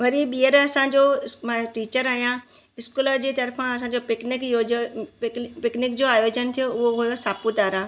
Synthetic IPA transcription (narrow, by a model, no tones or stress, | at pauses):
ʋɐɾiɓiəɾɐsãɲd͡ʑomʈiːt͡ɕəɾaːijã | ɪskuːləd͡ʑeːt̪ɐɾfãɐsãːɲ̆d͡ʑopɪknɪkjoːd͡ʑ | pɪknɪkd͡ʑoːaːjoːd͡ʑənt̪ʰijoʊɦoɦujosaːput̪aːɾaː